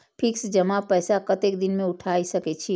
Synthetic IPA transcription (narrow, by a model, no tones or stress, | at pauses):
pʰɪksd͡ʒəmapɛːsakət̪ekd̪ɪnmẽʊʈʰaːisəkɛt͡ʃʰi